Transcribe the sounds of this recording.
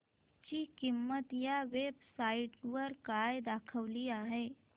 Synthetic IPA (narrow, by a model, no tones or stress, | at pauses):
t͡ɕiːkimːət̪jaʋebsaiʈʋəɾkajd̪akʰəʋliːaɦe